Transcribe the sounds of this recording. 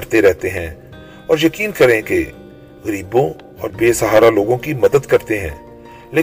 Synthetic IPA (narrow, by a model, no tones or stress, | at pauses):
ɐɾt̪eɾɛɦt̪eɦɛ̃ | ɔːɾjɐkiːnkɐɾẽke | ɣɐɾiːbõ | ɔːɾbeːsɐɦaːɾaloːɡõkimɐd̪əd̪kɐɾt̪eɦɛ̰̃ː | leː